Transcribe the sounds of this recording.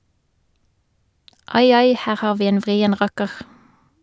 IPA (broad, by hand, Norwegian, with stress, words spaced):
ˈɑɪ ˈɑɪ ˈhæːʁ ˈhɑːʁ ˈʋiː ˈeːn ˈʋʁiːən ˈʁɑkəʁ